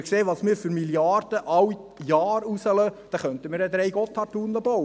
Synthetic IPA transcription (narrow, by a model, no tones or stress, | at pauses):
kseːʋɑːsmɪːɾfyɾmiljɑːɾd̥̪əʔɑwijɑːɾusəlœd̥ɑχœnt̪əmiːɾɛd̪ɾɛjɡɔt̪ʰːɑtunləbɔw